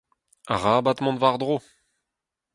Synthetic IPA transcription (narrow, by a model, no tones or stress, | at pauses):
a̰ʁaːbat̪mɔ̃d̪vaʁd̪ʁo